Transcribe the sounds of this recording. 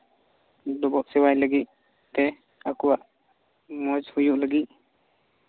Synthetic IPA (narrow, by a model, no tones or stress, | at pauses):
d̪ɔbɔʔsɛwajləɡit̪̚ | t̪ɛ | akuwaʔ | mɔd͡ʒhujuʔləɡit̪̚